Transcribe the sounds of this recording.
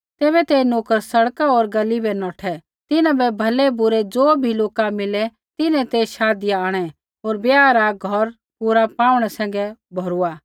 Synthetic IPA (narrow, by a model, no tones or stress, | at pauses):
t̪eːβɛt̪enoːkəɾsɐɽkaoːɾɡɐlibɛnɔːʈʰɛ | t̪ɪnãbɛbʱɐlɛbʊɾɛd͡zoːbʱiloːkamɪlɛ | t̪ɪnɛ̃t̪eʃaːd̪ɪjaaːɽ̃ɛ | oːɾbjaːɾaɡʱɔɾ | pʊɾapaːʊɽ̃ɛsɛ̃ːŋɡɛbʱɔɾʊa